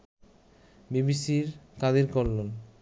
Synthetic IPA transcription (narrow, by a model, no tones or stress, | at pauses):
bibisiɾkad̪iɾkɔlːon